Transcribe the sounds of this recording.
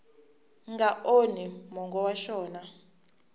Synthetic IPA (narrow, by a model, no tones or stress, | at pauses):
ŋɡaʔonimɔŋɡɔwaʃɔːna